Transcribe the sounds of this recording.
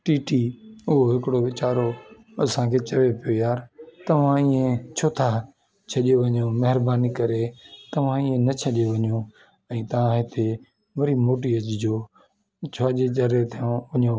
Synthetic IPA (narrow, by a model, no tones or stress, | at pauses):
ʈiːʈiʊɦoɦɪkɪɽoʋɪt͡ɕaːɾo | ɐsãkʰeːt͡ɕɐʋepijojaːɾt̪ɐʋ̤ãɪ̃ːẽt͡ɕʰoːt̪ʰa | t͡ɕʰɐʄijoʋɐɲoːmɐɦɪɾbaːnikɐɾet̪ɐʋ̤ãɪ̃ːẽnɐt͡ɕʰɐʄoʋɐɲjõ | ɛ̃ːt̪ɐʋ̤ãɦɪt̪ʰe | ʋɐɾimoːʈiɐd͡ʑd͡ʑoː | t͡ɕʰoaʄeɐɾet̪ʰijõʋɐɲõ